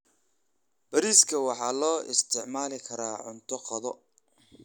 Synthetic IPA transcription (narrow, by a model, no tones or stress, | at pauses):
b̥ɐɾiːskʰɐwɑħɑːlɔːʔɪ̰st̪ʰɪʕmaːlɪkʰɐɾaːʕʊnt̪ʰɔqɐðɔ